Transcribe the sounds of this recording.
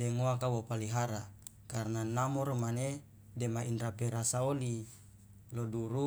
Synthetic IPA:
deŋoakawopaliɦaɾa | karnanamoɾomane | demainrapeɾasaoli | loduɾu

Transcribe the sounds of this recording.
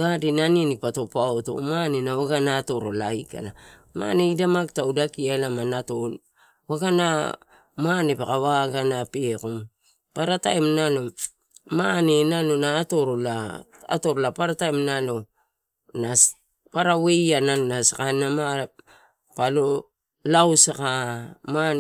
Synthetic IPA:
ɡadinanienipato̞paoto̰manenawaɡanaːto̞ɾo̞laika̰la | ma̰neidamaktaudakialamanato | waɡana | mane̞pakawaɡanapekom | paɾatajmnalo̞ | mane̞nalonaːto̞ɾola | a̰to̞ɾolapaɾatajmnalo̞ | nas | paɾawe̞janalnasakanama | palo̞ | lawsakama

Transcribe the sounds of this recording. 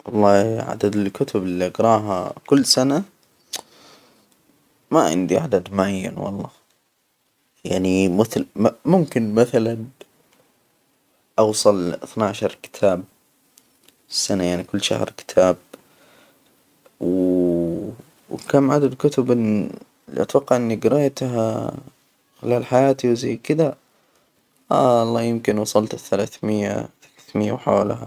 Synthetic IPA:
wɑlˤːɑːʕa̰d̪ad̪ɪlkʊt̪ʰʊbɪlːiʔɑqɾˤɑːɦa̰kʊlːsana | maʕɪ̰nd̪iʕa̰d̪ad̪mʊʕajːa̰nwɑ̰lˤːɑː | jaʕnimɪθlmʊmkɪnmaθalan | ʔɑwsˤɑlʔɪθnaʕaʃɑɾˤkɪ̥t̪ʰaːb̚ | sːanajaʕnikʊlːʃa̰hɾkɪ̥t̪ʰaːb̚ | w | kamʕad̪ad̪kʊt̪ʊbʔɪn | l̰ʔɑt̪wɑqːɑʕʔɪnːiɡɪɾɑːjat̪ɦa | xɪlaːlħajaːt̪iwzajːkɪd̪a | ʔa̰ɑlˤːɑːjɪmkɪnwɑsˤɑlt̪ɪθːalaθmɪjːa̰θḁlaθmɪjːawħa̰wlaha

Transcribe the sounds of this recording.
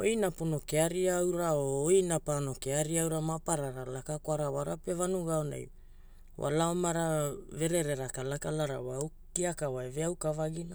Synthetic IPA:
ojnapono̞keaɾiaawɾaoːjnapano̞keaɾiaawɾamapaɾaɾalakakoaɾawaɾape̞vanuɡaona̰j | wa̰laomaɾave̞ɾeɾe̞ɾakalakalaɾa̰waaw | kiakawaeveawkavaɡina

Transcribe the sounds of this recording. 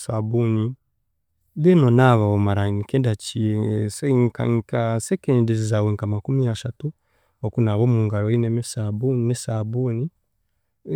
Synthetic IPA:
sabuni | lenonaβaomaɾanikendat͡ʃiseŋka̰ŋkasekendizizaweŋkamakumiaʃatu | okunaβomuːŋɡaloinemesabuninesaβuni

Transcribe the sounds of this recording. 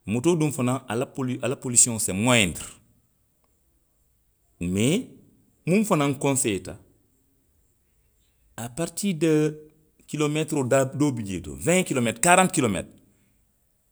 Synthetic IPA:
mutodumfanaalapoalapolisiõsemoendɾ | me | munfanaŋkõnsejta̰ | apaɾtiːdɐ | kilometɾodadobiɟḛːto̰vɛ̃kilometkaɾãnt̚kilomḛtɾ

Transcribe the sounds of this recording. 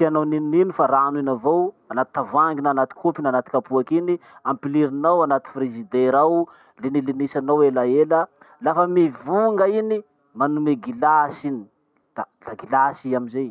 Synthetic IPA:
tianowninːinifaɾanuinavowanat̪i̥t̪avaŋɡinanat̪i̥kʰupinanat̪i̥kapuakiniampiliɾinawanat̪i̥fɾezid̪eɾaw | lenilinisanawelaelə | lafəmivuŋɡəini | manumeɡilasini | d̪̥alaɡilasiamizej

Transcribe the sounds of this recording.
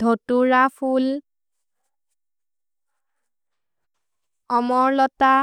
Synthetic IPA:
dʱɔtuɹapʰul | ɔmɔɹlɔta

